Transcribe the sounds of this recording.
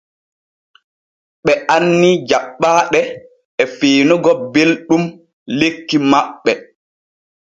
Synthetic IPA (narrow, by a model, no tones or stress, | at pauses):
ɓɛʔanːid͡ʒaɓːaːɗɛ | ɛfeːnuɡɔbelɗum | lekːimaɓːɛ